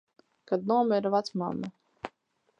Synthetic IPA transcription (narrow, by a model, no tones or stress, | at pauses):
kad̪nuɔmɛiɾvat̪sma̰mːa